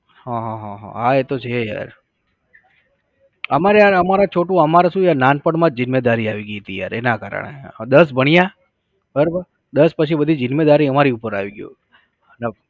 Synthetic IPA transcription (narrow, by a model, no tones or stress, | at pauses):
hãɦãɦãɦã̰ɦaet̪ot͡ʃʰeja̰ɾ | əmaɾejaɾəmaɾat͡ʃʰoʈũəmaɾasũjananpəɽmãd͡ʒɪnmed̪aɾiaʋiɡijɦət̪ija̰ɾenakaɾə̰ɳḛd̪əsbʱəɳ̃ija | bʱəɾbəɾ | d̪əspət͡ʃʰibəd̪ʱid͡ʒɪnmed̪aɾiəmaɾiupəɾaʋiɡjo̰ | nə